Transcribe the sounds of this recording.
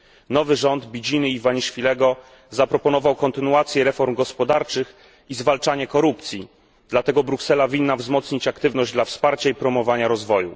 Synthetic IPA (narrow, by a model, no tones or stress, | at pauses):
nɔvɘʐɔnd̪bʲid͡ʑinɘivaɲiʂfʲilɛɡɔ | zapɾɔpɔnɔvawkɔnt̪ɘnuat̪sʲjɛɾɛfɔɾmɡɔspɔd̪aɾt͡ʂɘx | izvalt͡ʂaɲɛkɔɾupt̪sʲji | d̪̥lat̪ɛɡɔbɾuksɛlavʲinːavzmɔt̪sɲit͡ɕakt̪ɘvnɔʑd͡ʑd̪lafspaɾt͡ɕaipɾɔmɔvaɲaɾɔzvɔjṵ